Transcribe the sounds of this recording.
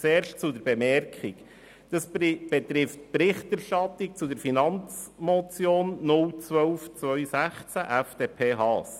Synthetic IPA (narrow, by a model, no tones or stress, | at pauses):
t͡seːɾʃtt͡sʊdəɾb̥ɛmɛɾkχɪk | d̥ɑsb̥ɛt̪ɾɪftpɾɪχtæɾʃtɑtɪk̚t͡sʊdəɾfinɑnt͡smɔt͡sjoːnːʊlt͡sʋœwft͡sʋœʏsæχt͡sæʔæfd̥eːpʰeːɦɑːs